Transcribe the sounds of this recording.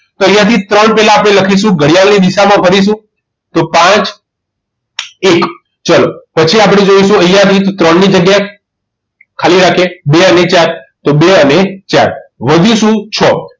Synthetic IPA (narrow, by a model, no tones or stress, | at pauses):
t̪oə̃jãt̪ʰit̪ɾəɳpɛɦlaːpɽ̃eləkʰiʃ̬ũɡəɽijalnid̪iʃamãpʰəɾiʃ̬ũ | t̪opãt͡ʃ | ek | t͡ʃalopət͡ʃʰiapɽ̃ed͡ʒoiʃũə̃jjãt̪ʰit̪ot̪ɾəɳːid͡ʒəɡjae | kʰaliɾakʰebeənet͡ʃaɾt̪obeənet͡ʃaɾʋəd̪ʱuʃũt͡ʃʰɔ